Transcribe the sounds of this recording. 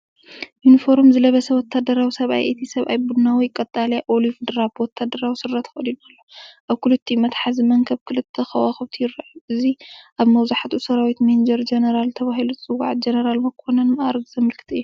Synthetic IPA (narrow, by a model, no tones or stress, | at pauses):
junifo̞ɾmzɨlɐβɐsɐwɔt̪ʰːad̪ɐɾawisɐβʔa̰jʔet̪ʰisɐβʔa̰jbud̪nawijkʼɐt̪ʼːaljaʔolifd̪ɨɾabwɔt̪ʰːad̪ɐɾawisɨɾːɐt̪xɐd̪inɐlːoʔaβkʰɨlɨt̪ʰːimɐt̪ħazimɐŋkʰɐβkʰɨlɨt̪ʰːɐxɐwaxɐβt̪ʰijɪɾaʕʔɨziʔaβmɐwzaħat̪ʰusɐɾawit̪mend͡ʒɐɾd͡ʒenɐɾalt̪ʰɐβaɦilut͡sʼɨwa̰ʕt̪̚d͡ʒenɐɾalmɐkʰonɐnmɐʔaɾɐɡzɐmɨlkʰɨ̥t̪ʰɨjːu